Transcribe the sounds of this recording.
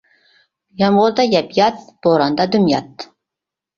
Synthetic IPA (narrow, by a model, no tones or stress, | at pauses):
jɑmʁʊɾd̪ɑjæpjɑt̪̚b̥oɾɑnd̪ɑd̪ʊmjɑt̪̚